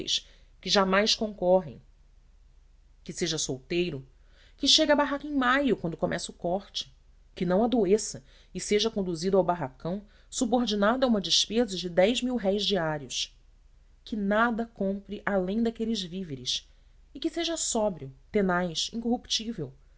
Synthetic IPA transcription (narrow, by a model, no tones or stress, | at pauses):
jʃ | kɪʒamajʃkõŋkɔɦḛ̃j̃ | kɪseʒɐsowt̪ejɾʊ | kɪʃeɡɐabaɦakẽj̃majʊkwɐ̃nd̪ʊkomʔɛsʊkɔχt͡ʃɪ̥ | kɪnɐ̃w̃ad̪oesɐ | ɪseʒɐkõnd̪uzid̪ʊawbaɦakɐ̃w̃ | suboɾd͡ʒinad̪ɐũmɐd͡ʒɪʃpezɐd͡ʒɪd̪ɛjzmiwɦɛjzd͡ʒiaɾiʊʃ | kʰɪnad̪ɐkõmpɾɪʔalẽj̃d̪akelɪzviveɾɪs | ɪkɪseʒɐsɔbɾiʊt̪enajʃĩŋkoɦupt͡ʃivew